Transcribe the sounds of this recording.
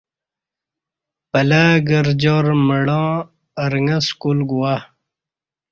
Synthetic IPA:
pɐlaːɡɐɾd͡ʑoɾmɐɽãː | ɐɾŋɐskulɡuwa

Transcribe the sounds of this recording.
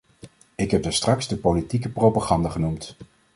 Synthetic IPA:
ɪkɦɛp̚dəstrɑkzdəpolitikəprowpaχɑndaχənumt

